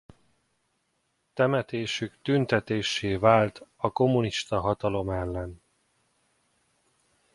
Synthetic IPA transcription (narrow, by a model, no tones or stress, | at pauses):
t̪ɛmɛt̪eːʃykt̪ynt̪ɛt̪eːʃːeːvaːlt̪ɒko̞muniʃt̪ɒɦɒt̪ɒlo̞mɛlːɛn